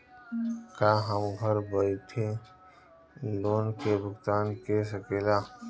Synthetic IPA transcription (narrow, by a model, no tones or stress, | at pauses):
kaɦəmɡʱəɾbəit̪ʰe | loːnkebʊkt̪aːnkesəkeːlaː